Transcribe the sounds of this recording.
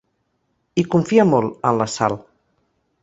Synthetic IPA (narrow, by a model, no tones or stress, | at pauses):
ikuɱfiamolənlasa̰l